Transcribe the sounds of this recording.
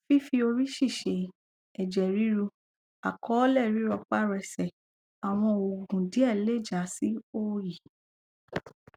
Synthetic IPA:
fi˦fi˧o˧ɾi˦ʃi˦˨ʃe˨ | ɛ˨d͡ʒɛ˨ɾi˨˦ɾu˧ | a˨kʰɔ˨˦lɛ˦˨ɾi˨˦ɾɔ˧k͡pa˦ɾɛ˧sɛ˨ | a˨w̃ɔ̃˧o˨ɡũ˨di˨˦ɛ˦˨le˦˨d͡ʒa˨˦si˦o˦ji˨

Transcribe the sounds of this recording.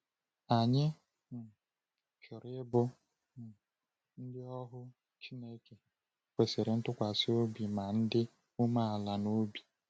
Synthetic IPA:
a˨ɲɪ˦ | n̩˨ | t͡ʃʊ˨ɾɪ˦bʊ˦˨ | n̩˦dɪ˦ɔ˦ɦʊ˦ | t͡ʃi˦ne˦ke˨ | kʷe˨se˨ɾe˨n̩˦tʊ˦kʷa˨sɪ˦o˦bi˨ma˨n̩˦dɪ˦ | u˦ma˦a˨la˨no˦bi˨

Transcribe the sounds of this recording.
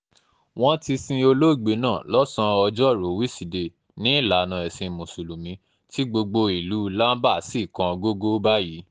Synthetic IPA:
w̃ɔ̃˦ti˧sĩ˧o˧lo˦˨ɡ͡be˧˦nãː˦˨lɔ˦sã˧ɔ˧d͡ʒɔ˦˨ɾo˨˦wi˦si˨de˧ | nĩ˨˦i˦˨la˨nã˧ɛ˨sĩ˧mũ˨su˨lu˨mĩ˨˧ | ti˦ɡ͡bo˧ɡ͡bo˧i˨lu˨˦la˦n˦ba˦˨si˦˨kã˧ɡo˦ɡo˦ba˦ji˨˦

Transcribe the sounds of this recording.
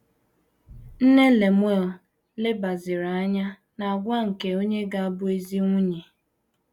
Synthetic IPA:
n̩˦ne˦le˨m˦o˦˨ | le˦ba˨zɪ˨ɾa˨a˦ɲa˦ | na˨a˨ɡʷa˦ŋ̩˨ke˨o˦ɲe˦ɡa˦a˦bʊ˦e˦zi˦ŋʷʊ˦ɲe˨

